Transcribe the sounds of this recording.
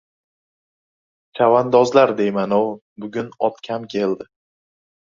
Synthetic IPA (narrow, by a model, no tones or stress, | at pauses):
t͡ʃʰavand̪ɒzlaɾd̪e̞jmanɒw | bʊɡʲʊnɒt̪kʲʰamkʲʰe̞ld̪ɪ